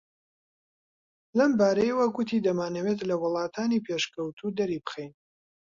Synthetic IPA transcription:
lɐmbaːɾɐjewɐɡʊt̪ʰid̪ɐmaːnɐwet̪lɐwʊlˠɑːt̪ʰaːnipʰeʃkəwt̪ʰud̪ɐɾibɨ̥xejn

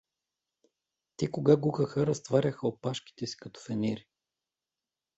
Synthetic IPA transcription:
t̪ɛkoɡaɡuxəxəɾɐst̪vaɾʲɐxəopaʃki̥t̪ɛsi̥kɐt̪ɔ̥fɛnɛɾi

